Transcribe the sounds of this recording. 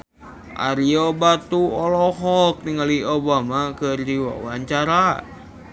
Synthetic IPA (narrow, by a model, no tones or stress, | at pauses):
ʔa̰ɾiobat̪uɔlɔɦɔk̚niŋaliobamakərdiwa̰waɲt͡ʃaɾa